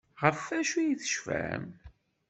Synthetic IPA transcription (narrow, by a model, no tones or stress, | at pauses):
ʁəfæʃujiθə̥ʃfæ̰m